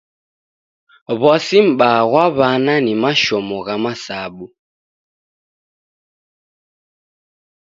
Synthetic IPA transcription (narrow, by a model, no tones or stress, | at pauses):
βɔsim̩ɓaɣwaβananimaʃɔmɔɣamasaɓu